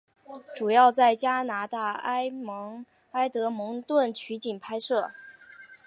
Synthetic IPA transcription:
ʈ͡ʂu˨˩jɑ˥˧ʊt͡sa˥˩ɪt͡ɕja˥na˧˥t̪a˥˩a˥ɪmɤ˧˥ŋ | a˥ɪt̪ɤ˧˥mɤ˧˥ŋt̪wə˥˩nt͡ɕʰy˧˥t͡ɕi˨˩npʰa˥ɪʂɤ˥˩

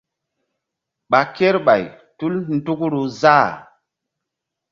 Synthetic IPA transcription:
ɓa˨ke˦ɾɓa˨j | tu˦ln˦du˦kɾu˨za˦˨

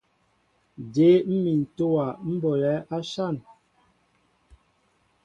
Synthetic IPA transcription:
de˨˦m̩˦mi˨n̩˨to˦wa˨m̩˦bɔ˨lɛ˨˦ʔa˦ʃa˦˨n

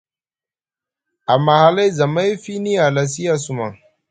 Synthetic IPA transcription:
a˨ma˨ha˨la˦jza˨ma˦jfi˦ni˦a˨la˨s̬i˦a˦su˨ma˨ŋ

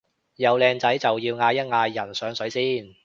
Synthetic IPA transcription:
jɐ˨˧wlɛː˨ŋt͡sɐ˨˥jt͡sɐ˨wjiː˧wŋaː˧jɐ˥t̚ŋaː˧jːɐ˨˩nsœː˨˥ŋsɵ˨˥ɥsiː˥n

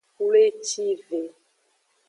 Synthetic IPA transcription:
ku˦le˦t͡ʃi˦ve˨

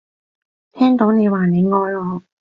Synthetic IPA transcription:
t̪ʰɛː˥ŋt̪o˨˥wne˨˧jwaː˨˩ne˨˧jŋɔː˨˧˥lɔː˨˧˥

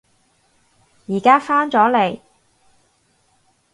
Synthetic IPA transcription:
jiː˨˩kaː˥faː˥nt͡sɔː˨˥le˨˩j

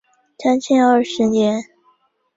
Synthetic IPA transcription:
t͡sʰa˥nt͡ɕʰɛ˥˧nə˞˥˩ʂɻ̩˧˥njɛ˧˥n

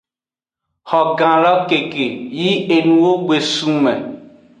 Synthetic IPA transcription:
hɔ˨ɡã˨lɔ˦ke˨ke˨ji˦e˨nũ˨wo˦ɡ͡be˨sũ˦mɛ̃˨

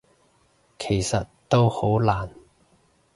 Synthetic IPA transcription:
kʰe˨˩jsɐ˨t̚t̪o˥who˨˥wlaː˨˩n

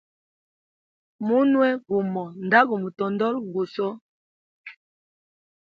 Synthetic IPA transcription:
mu˦nwɛ˦ɡu˨mɔ˨n˨da˦ɡu˨mu˨tɔ˨ndɔ˦lɡu˨sɔ˦

